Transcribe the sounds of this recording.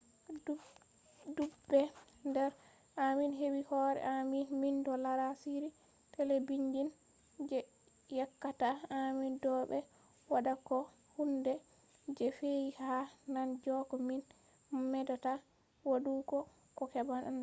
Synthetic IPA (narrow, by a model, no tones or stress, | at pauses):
dubːɛ | ndɛɾ | aminɦewihɔɾɛ̰ʔaminmindɔlaɾasiɾi | tʰɛlɛbiɲd͡ʒin | d͡ʒɛ | jakːataamindɔɓɛ | wadakɔ | hundɛ | d͡ʒɛfejihanand͡ʒɔkɔmin | mɛdata | wadukɔ | kɔkɛbanan